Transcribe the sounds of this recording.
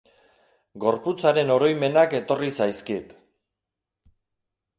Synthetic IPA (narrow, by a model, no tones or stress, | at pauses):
ɡo̞ɾput͡saɾe̞no̞ɾo̞jme̞nake̞t̪o̞risajskit̪